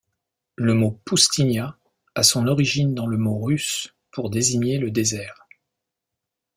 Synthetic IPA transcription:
ləmopust̪iɲja | asɔ̃nɔʁiʒind̪ɑ̃ləmoʁys | pʰuʁd̪eziɲeləd̪ezɛːʁ

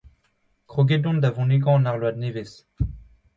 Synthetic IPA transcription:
kχoɡed̪ɔ̃nd̪avɔ̃niɡɑ̃naʁlwad̪nevɛs

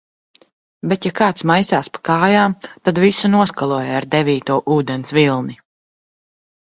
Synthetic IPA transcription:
bet̪jakaːt̪smajsaːspḁkaːjaːmt̪ad̪visunuɔskalˠuɔjaaɾd̪ɛviːt̪uɔʔuːd̪ɛnsvilˠni

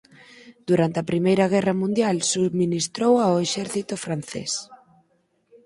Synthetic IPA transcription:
d̪̥uɾant̪eɐpɾimejɾɐɣ̞ɛrɐmũnd̪jalsuðminist̪ɾowaoeʃɛɾθit̪ofɾan̟θḛs

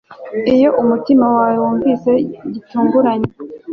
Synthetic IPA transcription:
ijo̞ʔumutimawawewuːɱvise̞ɟituːŋɡuɾaɲe

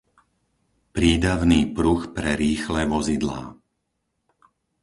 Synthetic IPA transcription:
pɾiːd̪aʊniːpɾuxpɾɛɾiːxlɛʋɔzid̪la̰ː

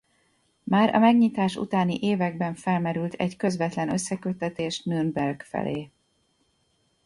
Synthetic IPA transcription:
maːɾɒ̰mɛɡɲit̪aːʃṵt̪aːnḭʔeːvɛɡ̚bɛɱfɛlmɛɾylt̪ʰɛɟkø̞zvɛt̪lɛnø̞sːɛkøt̪ːɛt̪eːʃnynbɛrɡfɛ̰lḛː

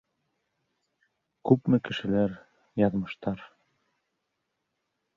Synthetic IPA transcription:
kʉpmɘkɘ̆ʃɘ̆læɾ | jɑðmɤ̆ʃt̪ɑɾ

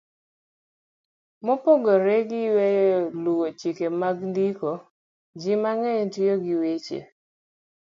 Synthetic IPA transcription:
mopoɡoɾeɡɪwejɔluwot͡ʃikemaɡndiko | d͡ʒɪmaŋɛjtioɡɪwet͡ʃḛ

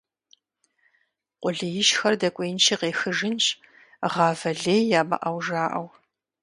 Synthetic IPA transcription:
qʷʼʊɮɪjɪʃxɐrdɐkʷʼeːnt͡ʃʰiːqeːxɨʒɪnt͡ʃʼ | ʁɑːvɐɮeːjjaːmɐ̰ʔɐwʒaːʔɐw

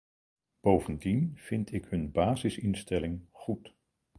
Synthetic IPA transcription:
b̥owvəndinv̥ɪntɪkɦɵnbaːzɪsɪnstɛlɪŋχut

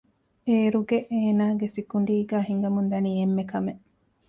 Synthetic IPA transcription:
eːɾuɡeʔeːnaːɡesikuɳɖiːɡæːɦiŋɡɐmund̪ɐniːemːekɐmeʔ

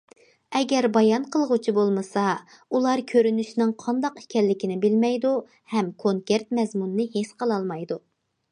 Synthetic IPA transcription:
ɛɡʲɛɾbɑjɑnqʰəlˠʁʊt͡ʃʰibolˠmɨsɑ | ulˠɑɾkʲʰøɾynyʃnɪŋqʰɑnd̪ɑqi̥kʲʰɛlːɪkʲinɪbɪlmɛjd̪u | hɛmkʰoŋkʲeɾt̪mɛzmunɨnɨɦesqʰəlˠɑlˠmɑjd̪u

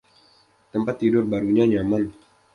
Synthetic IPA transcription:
t̪əmpat̪ːidʊrbaɾuɲaɲaman

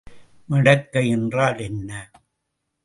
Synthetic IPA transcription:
mɐɽɐkːɐjɛndraːlɛnːɐ

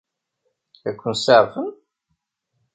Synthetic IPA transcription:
ækʷːənsaʁfən

